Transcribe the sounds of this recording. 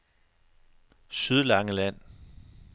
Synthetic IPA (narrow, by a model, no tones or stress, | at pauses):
syð̞ˠlɑ̈ŋəlæn̰